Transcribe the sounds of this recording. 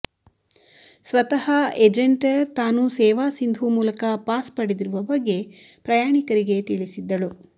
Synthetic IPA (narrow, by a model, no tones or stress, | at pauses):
sʋɐt̪ɐhɐed͡ʒeɳʈɐɾt̪aːnusɛːʋaːsind̪ʱumuːlɐkɐpaːspɐɽed̪iɾuʋɐbɐɡːe̞ | pɾɐjaːɳikɐɾiɡe̞t̪iɭisid̪ːɐɭu